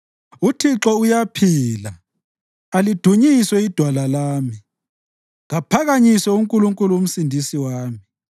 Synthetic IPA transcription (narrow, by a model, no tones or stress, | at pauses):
utʰiǁɔujapʰiːla̰ | alid̥ʱuɲiswɛid̥ʱwalalaːmi | ɣapʰaɣaɲisɛuŋkʼuluŋkʼuluum̩sindʱisiwaːmi